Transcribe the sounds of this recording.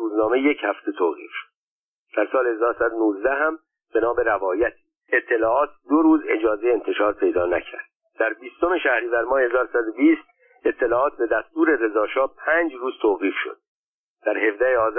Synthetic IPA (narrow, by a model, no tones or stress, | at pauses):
uːznɒːme̞jechæft̪ʰe̞t̪ʰoːʁḭːfʃo̥d̪̥ | d̪̥æɾsɒːlehezɒːɾsæd̪onuːzd̪æɦæm | benɒːbe̞ɾævɒːjæt̪ʰ | et̪ʰːe̞lɒːɒːt̪̚ʰd̪oɾuːze̞d͡ʒɒːzejeent̪ʰe̞ʃɒːɾpʰe̞jd̪ɒːnæ̰cʰæ̰ɾd̪̥̚ | d̪̥æɾbiːst̪o̞me̞ʃæhɾiːvæɾmɒːhehezɒːɾosæd̪obiːst̪ | e̞t̪ʰːe̞lɒːɒːt̪̚be̞d̪æst̪uːɾe̞ɾe̞zɒːʃɒːpʰæːnd͡ʒruːz̥t̪ʰoːɣiːfʃo̰d̪̥̚ | d̪̥æɾhe̞vd̪æheɒːz